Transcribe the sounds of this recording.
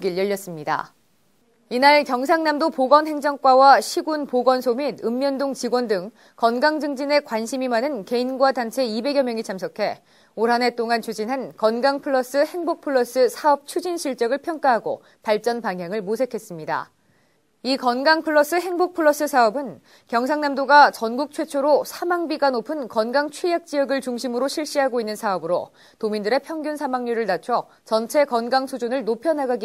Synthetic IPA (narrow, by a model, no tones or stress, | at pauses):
ɡiɭjʌʎːʌs͈ɯmɲida̰ | inaɭkjʌŋs̬ʰaŋnamdopoɡʌnɦe̞ŋd͡ʑʌŋk͈wawaɕʰiɡunpoɡʌnsʰomidɯmːjʌndoŋt͡ɕiɡwʌndɯŋ | kʌnɡaŋd͡ʑɯŋd͡ʑine̞kwanɕʰimimanɯnke̞inɡwadant͡ɕʰe̞ibe̞ɡjʌmjʌŋit͡ɕʰamsʰʌkʰe̞ | oɾɦane̞t͈oŋant͡ɕʰud͡ʑinɦankʌnɡaŋpʰɯɭːʌs͈ɯhe̞ŋbok̚pʰɯɭːʌs͈ɯsʰaʌp̚t͡ɕʰud͡ʑinɕʰiɭt͡ɕ͈ʌɡɯɭpʰjʌŋk͈aɦaɡo̰ | paɭt͡ɕ͈ʌnpaŋɦjaŋɯɭmosʰe̞kʰe̞s͈ɯmɲida̰ | ikʌnɡaŋpʰɯɭːʌs͈ɯɦe̞ŋbok̚pʰɯɭːʌs͈ɯsʰaʌbɯn | kjʌŋsʰaŋnamdoɡat͡ɕʌnɡuk̚t͡ɕʰwet͡ɕʰoɾosʰamaŋbiɡanopʰɯnkʌnɡaŋt͡ɕʰwijak̚t͡ɕ͈iʌɡɯɭt͡ɕuŋɕʰimɯɾoɕʰiɭɕ͈iɦaɡoinːɯnsʰaʌbɯɾo̰ | tomindɯɾe̞pʰjʌŋɡjunsʰamaŋɲuɾɯɭnat͡ɕʰʌ | t͡ɕʌnt͡ɕʰe̞kʌnɡaŋsʰud͡ʑunɯɭnopʰjʌnaɡaɡi